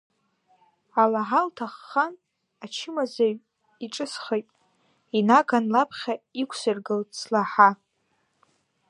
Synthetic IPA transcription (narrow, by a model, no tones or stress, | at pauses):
alaʕaltʰaχːan | at͡ʃʰɪmazaɥ | iʈ͡ʂʼɨsχejtʼ | inaɡanlapʰχʲaikʷʰsɨrɡɨlt͡sʰlaħa